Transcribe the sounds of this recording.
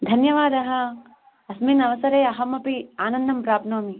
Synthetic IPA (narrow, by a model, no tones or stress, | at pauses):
d̪ʱɐnjɐʋaːd̪ɐɦɐ | ɐsmiːnɐʋɐsɐɾeːɐɦɐmɐpiaːnɐnd̪ɐmpɾaːpnoːmi